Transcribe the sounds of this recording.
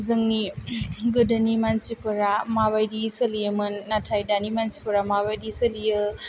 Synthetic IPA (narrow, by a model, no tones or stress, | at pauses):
zɯŋniɡɯdanimansipɐɾamaβajdisɐlijəmɯnːatʰajdanimansipɐɾamaβajdisɐlijɯ